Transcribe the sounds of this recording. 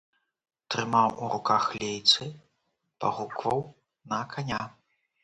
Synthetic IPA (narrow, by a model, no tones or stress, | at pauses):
t̪ɾɨmawuɾukaxlʲejt̪sɨ | pa̰ɣukvɐw | nɐkʰanʲa